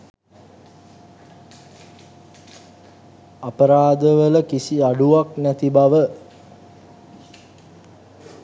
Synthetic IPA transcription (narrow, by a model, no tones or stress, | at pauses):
apəɾaːd̪əʋələkisiaɖuʋaknæt̪ibaʋə